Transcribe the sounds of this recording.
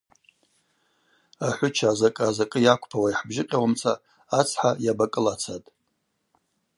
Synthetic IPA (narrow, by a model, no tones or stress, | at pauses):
aħʷʊt͡ʃʰaːzakʼːzakʼɨjakʷʰʼpʰawaiħbʒɪqʲʼawamt͡sʰaː | t͡sʰħajabakʼɨlat͡sʰatʼ